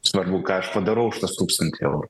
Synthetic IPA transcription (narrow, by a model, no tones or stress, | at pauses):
sʋɐrbukɑːɐʃpɐd̪ɐɾɐʊʃʲɪt̪ɐst̪uːkst̪ɐnʲt̪ʲɪɛ̰ʊɾʊ